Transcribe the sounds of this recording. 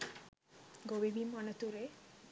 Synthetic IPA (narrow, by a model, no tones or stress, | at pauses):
ɡobibimɔnət̪uɾe